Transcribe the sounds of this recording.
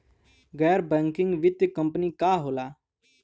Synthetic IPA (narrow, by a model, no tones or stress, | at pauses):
ɡɛːɾbɛ̃ːŋkɪŋɡʋɪt̪kəmpniːkaːɦoːlaː